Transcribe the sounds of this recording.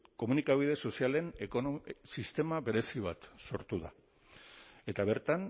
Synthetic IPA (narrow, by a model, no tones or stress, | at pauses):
ko̞munikaβ̞ið̞e̞so̞siale̞nekosist̪e̞maβe̞ɾe̞siβ̞at̪so̞ɾt̪uða̰ | e̞t̪aβ̞e̞ɾt̪an